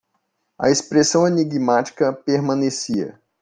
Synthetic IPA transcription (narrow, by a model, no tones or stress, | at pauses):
ɐ̰espɾesɐ̃w̃eniɡmat͡ʃi̥kɐpeɾmɐ̃nesiɐ̰